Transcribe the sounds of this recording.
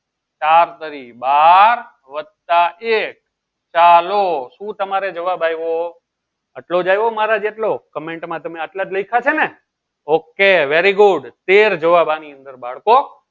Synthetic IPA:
t͡ʃaɾt̪əɾibaɾ | ʋəd̪̚t̪aʔek̚ | t͡ʃaloʃũt̪əmaɾed͡ʒəʋabajʋo | əʈlod͡ʒajʋomaɾad͡ʒeʈlokəmeɳʈmãt̪əmeəʈlad͡ʒləikʰat͡ʃʰene | okeʋeɾiɡʊɖt̪eɾd͡ʒəʋabaniə̃nd̪əɾbaɭko

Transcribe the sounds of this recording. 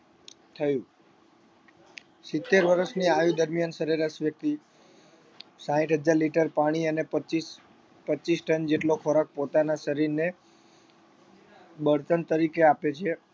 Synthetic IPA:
t̪ʰəjũ | sɪt̪ːeɾʋəɾəʃniajud̪əɾmijansəɾeɾasʋjək̚t̪i | sãiʈɦəd͡ʒaɾliʈəɾpaɽ̃iənepət͡ʃis | pəːt͡ʃisʈənd͡ʒeʈlokʰoɾak̚pot̪anaʃəɾiɾne | bəɽt̪ənt̪əɾikeapet͡ʃʰe

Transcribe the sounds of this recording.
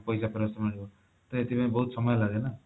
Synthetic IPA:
pʌjsapeɾʌst̪ʌmaniko | t̪ʌet̪ipʌj̃bʌɦut̪sʌmʌjlaɡenʌ

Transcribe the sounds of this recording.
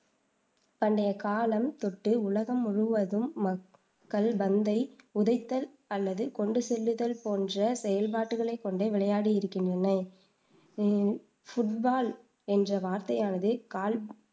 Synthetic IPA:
pɐɳɖɐjɐkaːlɐmt̪ɔʈːɯʊlɐɣɐmʊɻɯʋɐðɯmːɐ | kːɐɭbɐnd̪ɐɪʊðɐɪt̪ːɐl | ɐlːɐðɯkɔɳɖɯsɛlːɯðɐlpoːndrɐsɛjɐlpaːʈːɯɣɐɭɐɪkːɔɳɖeːʋɪɭɐjaːɽijɪɾɯkːɪndrɐnɐ | fʊʈbaːl | ɛndrɐʋaːɾt̪ɐjaːnɐðɯkaːl

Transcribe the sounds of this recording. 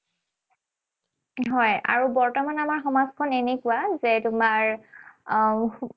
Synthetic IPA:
ɦɔja̰ɹubɔɹtɔmanamaɹxɔmazkʰɔnɛnɛkʊazɛtʊmaɹ

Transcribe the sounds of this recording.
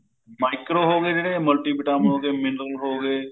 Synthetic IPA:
maːɪkɾoːɦoːɡeːd͡ʒeɽẽməlʈiːbɪʈaːməɳɦoːɡeːmɪnɾəlɦoːɡeː

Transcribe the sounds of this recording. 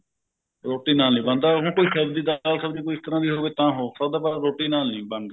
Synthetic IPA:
ɾoːʈːiːnaːlnĩːbə̃nd̪aːɦõːkoːiːsəbd̪iːd̪alsəbd̪iːkoːiɪst̪əɾãːd̪iːɦoːbeːt̪ãːɦoːsəb̚d̪aːbaːɾɾoːʈiːnaːlnĩːbə̃nd̪a

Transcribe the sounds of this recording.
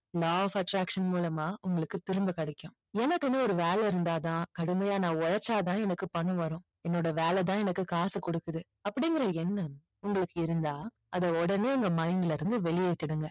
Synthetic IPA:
laːfɐʈɾaːkʂɐnmuːlɐmaːʔʊŋɡɐɭɯkːɯt̪ɪɾɯmbɐkɐɽɐkːʊ̃ː | ɛnɐkːɯnɯɔɾɯʋeːlɛɪɾɯnd̪aːt̪ãːkɐɽɯmɐjaːnãːɔɻɐt͡ʃːaːt̪̬ãːɛnɐkːɯpɐɳːɯ̃ʋɐɾʊ̃ː | ɛnːoːɽɐʋeːlɛt̪̬ãːɛnɐkːɯkaːsɐkɔɽɯkːɯðɯ | ɐpːɐɽɪŋɡɪɾɐɛnːɐ | ʊŋɡɐɭɯkːɯɪɾɯnd̪aː | ɐðɐɔɽɐneːʊŋɡɐmɐɪnɪlɐɪɾɯnd̪ɯʋɛɭɪjɐɪt̪ːɪɽɯŋɡɐ

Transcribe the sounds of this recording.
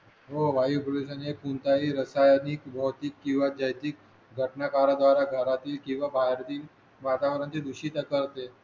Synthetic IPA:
ɦoʋaipoluɕ̬ənepunt̪aɦiːɾəsajniːkbʱəwt̪iːkːĩw̃ʋad͡ʑəjt̪iːk̚ | ɡʱəʈnakaɾad̪ʋaɾaɡʱəɾat̪iːlkĩw̃ʋabʱajɾt̪iːl | mat̪aʋəɾənt͡ɕed̪uɕiːt̪akəɾt̪e

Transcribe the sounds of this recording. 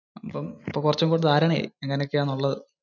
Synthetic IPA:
ɐpːɐmipːoːkurɐt͡ɕːɐmkoːɽðaːɾɐɳḛeŋːɐnejokːeaːnːuɭːɐðɨ

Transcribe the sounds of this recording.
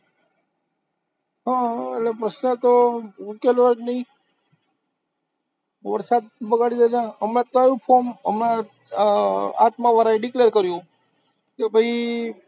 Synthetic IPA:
ɦãelepɾəʃnət̪oukelʋad͡ʒnəĩ | ʋəɾsad̪̚bəɡaɽid͡ʒ̪ad͡ʒaəmãt̪ajũpʰomə̰mna | a̰t̪maʋəɾaeɖikleɾkəɾjũ | kebʱəi

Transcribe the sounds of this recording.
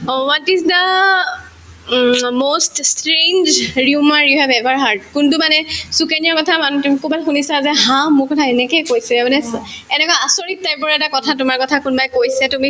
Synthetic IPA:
wɔtizdə | moststɹend͡ʒɹiumaɹjuhɛbɛbaɹɦaɹd̚kʊntumanɛsukeniaɹkɔtʰamantumikʰubalxunisazɛɦãmʊɹkɔtʰaɛnɛkɛjkojsɛmanɛɛnɛkaasoɹit̚ːajpɔɹɛtakɔtʰatʊmaɹkɔtʰakunbajkojsɛtumi

